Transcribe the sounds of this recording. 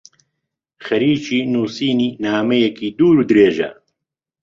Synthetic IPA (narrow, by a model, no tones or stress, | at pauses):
xɐɾiːt͡ʃiːnuːsiːniːnaːmɛjɛkiːd̪uːɾuːd̪ɾeːʒɐ̰